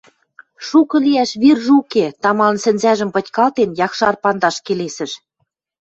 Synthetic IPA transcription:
ʃukɤ̆liæʃβirʒuket̪ɑmɑlnsɘ̆nzæʒə̆mpɤ̆tʲkɑlt̪enjɑkʃɑrpɑnd̪ɑʃkelesɘ̆ʃ

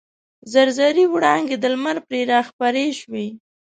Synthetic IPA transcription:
zaɾzaɾiwɽɑŋɡed̪əlmaɾpɾeɾɑxpaɾeʃwi

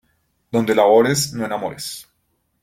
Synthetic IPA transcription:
d̪o̞nd̪elaɣoɾesnoenamoɾes

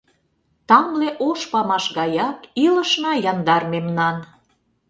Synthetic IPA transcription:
t̪ɑmleʔoʃpɑmɑʃɣɑjɑkilə̆ʃnɑjɑnd̪ɑrmemnɑn

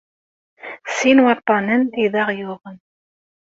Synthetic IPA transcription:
sinwɑt̪ˤːɑnəniðɑʁjʊðˤən

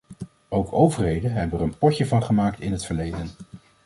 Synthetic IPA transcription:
owkʰowvəɹɦejdənɦɛbəərənpɔcəvɑnχəmaːk̚tɪnɦətfəɹlejdən

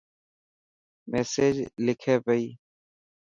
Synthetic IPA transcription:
meːseːd͡ʒlɪkʰeːpəiː

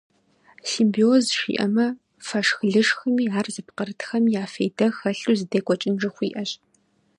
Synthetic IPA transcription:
ɬimbioːzʃḭːʔɐmɐ | fɐʂxɨɮɨʂxɨmiːaːrzɨpqərɨtxɐmjaːfejdɐxɐɬuːzɨdeːkʷʼɔt͡ʃʼɪnʐɨxʷiːʔɐɕ

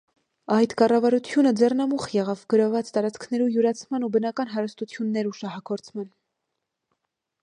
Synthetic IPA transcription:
ɑjt̪kɑrɑvɑɾut͡sʰjunəd͡zɛrnɑmuχjɛʁɑvɡəɾɔvɑt͡st̪ɑɾɑt͡skʰnɛɾujuɾɑt͡sʰmɑnubənɑkɑnɦɑɾəst̪ut͡sʰjunːɛɾuʃɑhɑkʰɔɾt͡sʰmɑn

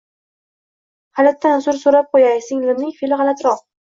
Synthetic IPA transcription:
halat̪ʰːansʊɾsoɾap̚qʰojajsɪŋlɪmnɪŋfelɪʁɑlat̪ʰɾɒq̚

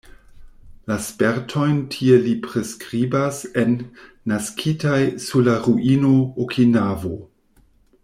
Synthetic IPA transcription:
laspeɾtʰo̞jntʰielipɾeskɾibase̞nː | askʰitajsuɾlaɾuʔinookʰinavo̰

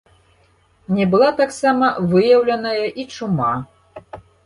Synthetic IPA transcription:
nʲɛbɨlˠat̪aksamɐvɨjɐwlʲɐnɐjɐʔit͡ʂuma

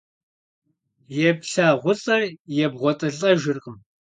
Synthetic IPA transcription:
jɛpɬaːʁʷʊɬʼɐjɛbʁʷɔtʼɨɮʼɐʒɪrqʼəm

